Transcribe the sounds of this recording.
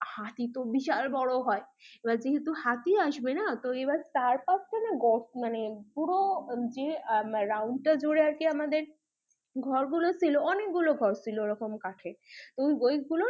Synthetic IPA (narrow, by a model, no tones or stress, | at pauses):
hat̪it̪obiʃalbɔɽoɦɔeebad͡ʑeɦet̪uhat̪iaʃbenat̪oebaɾt̪aɾpaskʰanaɡɔmanepuɾod͡ʑeɾawɳɖ̚ʈad͡ʑoɽeaɾkeamad̪eɾ | ɡʱɔɾɡulosiloɔnekɡuloɡʱɔɾsiloeɾɔkomkaʈʰet̪oɡojɡulo